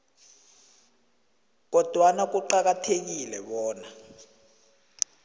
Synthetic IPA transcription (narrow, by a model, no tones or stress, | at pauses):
k̬ɔd̥ʱwanak̬uǃak̬atʰek̬ilɛɓɔːna